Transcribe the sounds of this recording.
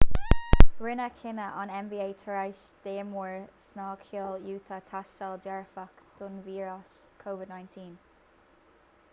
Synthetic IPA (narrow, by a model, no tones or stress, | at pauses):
ɹɪnəkʰɪnəʔɔnɛmbiːeːtʰəɹajʃ | d̪̥eːmɔɹsnɑːkʰiljuːt̪ʰət̪ʰaʃtald͡ʒɛɹfakd̪̥ʊnviːɹas | kʰoːvɪd̪nãɪ̃ntʰĩːn